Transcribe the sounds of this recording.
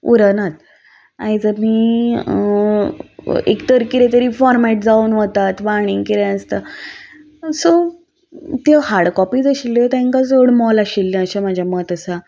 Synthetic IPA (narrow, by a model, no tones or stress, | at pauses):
uɾənat̪ | ajd͡zəmiː | ḛkt̪əɾkiɾet̪əɾiːfɔɾmɛʈ̚d͡zaunʋot̪at̪ʋaɽ̃iŋɡkiɾeəst̪ə | so | t̪jeɦaɽkɔpiːd͡zəɕilːet̪ãŋkad͡zoɽmɔlaɕilːĩəɕamad͡ʑʱjamət̪əsa